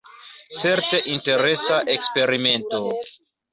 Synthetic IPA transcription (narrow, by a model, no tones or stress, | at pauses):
t͡se̞ɾte̞ʔinte̞ɾe̞saʔe̞kspe̞ɾime̞nto